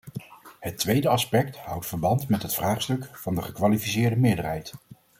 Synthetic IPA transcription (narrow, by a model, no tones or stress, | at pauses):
hətʋejdəɑspɛk̚thʌwtfəɹbɑntmɛtɦətfraːχstɵkfɑndəχəkʋalifisɪːɹdəmɪːɹdərɦɛjt